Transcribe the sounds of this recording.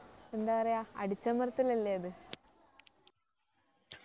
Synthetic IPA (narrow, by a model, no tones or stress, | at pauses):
end̪aːkɐrɐjaːɐ̰ɽit͡ɕːɐmɐrɐt̪ːilɐlːejɐðɨ